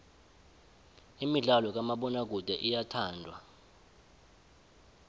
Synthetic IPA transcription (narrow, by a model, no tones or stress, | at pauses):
imiɮalɔk̬ʼamaɓɔnak̬ud̥ʱɛʔijatʰaːndʱwa̰